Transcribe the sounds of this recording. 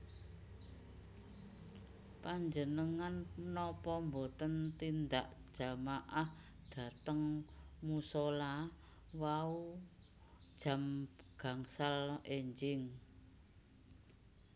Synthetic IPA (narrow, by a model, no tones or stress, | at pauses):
paɲd͡ʒənəŋannɔpɔmbot̪ənt̪ind̪aʔd̥ʒ̥a̤maʔah | d̪̥ä̤t̪əŋmusola | wau̥ | ʒ̥a̤mɡ̥a̤ŋsaleɲd͡ʒɪŋ